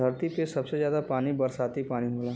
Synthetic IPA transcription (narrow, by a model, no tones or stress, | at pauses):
əɾt̪ipesɐbsezjaːd̪apaːnibɐɾsaːt̪ipaːniɦoːlaː